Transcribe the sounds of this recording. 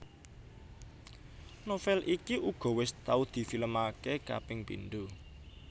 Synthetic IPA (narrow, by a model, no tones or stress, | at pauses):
nofɛlʔikiʔuɡ̥ɔ̤wɪst̪aud̪̥i̤filəmakeka̰pɪŋpḭnɖ̪u